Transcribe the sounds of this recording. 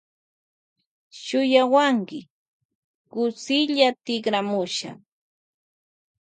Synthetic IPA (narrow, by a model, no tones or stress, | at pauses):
ʃʊjawaŋkɪ | kʊsɪʎat̪ɪkɾamʊʃa̰